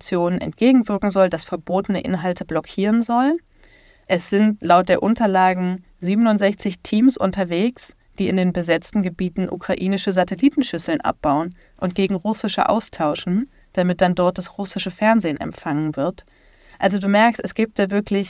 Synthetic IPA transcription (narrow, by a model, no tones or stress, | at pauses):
t͡sjoːnənʔɛ̰ntɡ̥eːɡŋ̩vɪɐkŋ̩zɔldasfɛɐboːtənə̰ʔɪ̰nɦaltʰəblɔkʰiːʁənzɔln | ʔɛsz̥ɪntlaʊt̚d̥eːɐʔʊntɐlaːɡŋ̩ | ziːbənʊntz̥ɛçt͡sɪçtʰiːmsʔʊ̰ntɐveːks | d̥iːɪndeːnbəzɛt͡stn̩ɡəbiːtn̩ʔṵkʁ̥aʔiːnɪʃəzatɛliːtn̩ʃʏsl̩nʔa̰p̚b̥aʊənʔʊnt̚ɡ̥eːɡŋ̩ʁʊsɪʃə̰ʔa̰ʊstʰaʊʃn̩ | d̥amɪt̚d̥andɔɐt̚d̥asʁʊsɪʃəfɛɐnzeːnɛ̰mfaŋənvɪɐt | ʔalzoduːmɛɐkstɛsɡ̥iːp̚t̚d̥aːvɪɐklɪç